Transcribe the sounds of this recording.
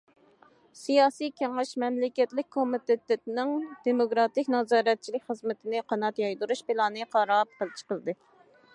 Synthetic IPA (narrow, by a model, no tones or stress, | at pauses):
sijɑːsijkʲeŋɪʃmɛmlɪkʲɛt̪lɪk̚ʲkʰomɪt̪et̪et̪nɪŋd̪̥emokɾɑt̪ɪkʲnɑzɑːɾɛt̪̚t͡ʃʰilɪkʲχəzmɪt̪ʰɪnɪqʰɑnɑt̪jɑjd̪uɾuʃbɪlˠɑːnɨqʰɑɾɑp̚qəlˠt͡ʃʰə̥qəlˠd̪ɨ